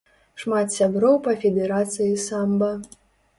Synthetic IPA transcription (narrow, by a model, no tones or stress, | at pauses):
ʂmat̪sʲabɾɔwpɐfʲɛd̪ɛɾat̪sɨjisambɐ